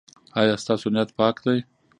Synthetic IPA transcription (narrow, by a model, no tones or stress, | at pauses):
ɑjɑst̪ɑsonijat̪pɑkd̪aj